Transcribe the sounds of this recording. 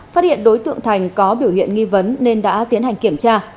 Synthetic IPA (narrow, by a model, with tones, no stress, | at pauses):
faː˦˥t̚hḭ˧˨ənɗo˨˦jt̪ɨ̰˧˨əŋt̪ʰa˨˩jŋ̟kɔ˨˦ɓi˧˩whḭ˧˨ənŋi˧və˨˦nːe˧nɗa̰ː˧˥t̪i˨˦ənɦa˨˩jŋ̟ki˧˩əmt͡ɕaː˧